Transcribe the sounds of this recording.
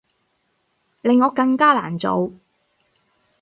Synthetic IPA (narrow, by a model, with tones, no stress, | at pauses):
lɪ˨˧ŋːɔː˨˧kɐ˧ŋkaː˥la̰ː˨˩nt͡so̰˨˧w